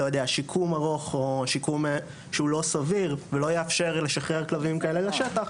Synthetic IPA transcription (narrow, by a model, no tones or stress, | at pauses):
ojodeaʃikʰumaʁo̞χoʃikum | ʃeulo̞saviʁvelo̞jeafʃe̞ʁleʃaχʁeʁklavimkaeleleʃet̪aχ